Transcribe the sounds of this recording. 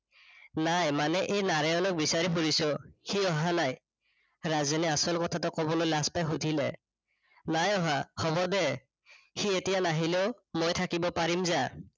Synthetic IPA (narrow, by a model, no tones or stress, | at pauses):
najmanɛʔejnaɹajɔnɔk̚bisaɹipuɹisɔxiɔɦanaj | ɹazɔnɛasɔlkɔtʰatɔkɔbɔlojlaspajxudʱilɛ̰ | najɔɦaxɔbɔdɛ | xietijanaɦileʊmojtʰakibɔpaɹimza